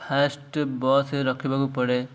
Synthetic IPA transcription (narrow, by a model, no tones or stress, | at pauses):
pʰasʈbɔseɾɔkʰibakupɔɽe